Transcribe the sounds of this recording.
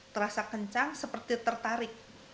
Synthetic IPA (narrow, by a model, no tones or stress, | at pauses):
t̪əɾasakəɲt͡ʃaŋsəpərt̪it̪ərt̪aɾɪk̚